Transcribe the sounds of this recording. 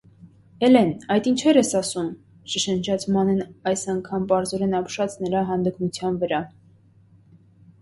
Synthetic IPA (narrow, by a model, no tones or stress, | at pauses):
ɛlɛnɑjt̪int͡ʃʰɛɾɛsɑsum | ʃəʃənd͡ʒʰɑt͡sʰmɑnɛnɑjsɑŋkʰɑmpɑɾzɔɾɛnɑpʃɑt͡snəɾɑɦɑnd̪ikmut͡sʰjɑnvəɾɑ